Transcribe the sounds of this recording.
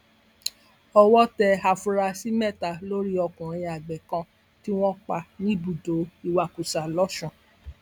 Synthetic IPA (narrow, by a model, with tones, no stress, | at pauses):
ɔ˧wɔ˦tɛ˧a˨fũ˧˦ɾa˧si˦mɛ˦˨ta˨lo˦ɾi˦ɔ˧kũ˨ɾ̃ĩ˧a˨ɡ͡bɛ˨kã˧ | ti˦w̃ɔ̃˦k͡pa˧nĩ˦bu˨do˨˦i˦˧wa˧ku˨sa˨lɔ˦ʃũ˦˨